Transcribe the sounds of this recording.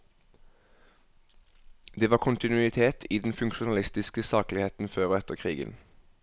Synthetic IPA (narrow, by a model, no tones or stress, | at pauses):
d̪eːʋɑːʁkʰʊnt̪ɪnʉɪt̪ʰeːt̪ʰiːd̪ɛnfʉŋkʃʊnɑlɪst̪ɪskəsɑːklɪheːt̪n̩føːʁɛt̪əʁkʰʁiːɡə̰n